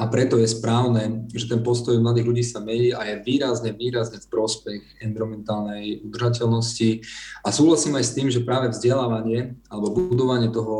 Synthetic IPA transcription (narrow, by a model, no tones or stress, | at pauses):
ʔapɾɛt̪ɔjɛspɾaːʊnɛːʒɛt̪ɛnpɔst̪ɔjmlad̪iːɣʎuɟiːsamɛɲiːʔajɛʋiːɾazɲɛʋiːɾazɲɛfpɾɔspɛxɛnviɾɔmɛnt̪aːlnɛjud̪r̩ʒacɛlnɔsciasuːɦlasiːmajst̪iːmʒɛpɾaːʋɛvzɟɛlaːʋaɲɪɛalɛbɔbuud̪ɔʋaɲɪɛt̪ɔɦɔ